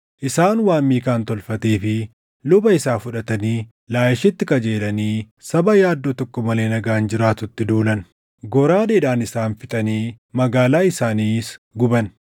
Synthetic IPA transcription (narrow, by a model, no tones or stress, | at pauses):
ʔɪsaːnwaːmːiːkaːnt̪ɔlfɐt̪eːfɪ | lʊbɐɪsaːfʊᶑɐt̪ɐniː | laːjɪʃɪt̪ːɪkɐd͡ʒe̞ːlɐniː | sɐbɐjaːd̪ːoːt̪ɔkːɔmɐle̞ːnɐɡaːnd͡ʒɪɾaːt̪ʊt̪ːɪd̪uːlɐn | ɡɔɾaːd̪eːᶑaːnɪsaːnfɪt̪ʼɐniː | mɐɡaːlaːɪsaːniːsɡʊbɐn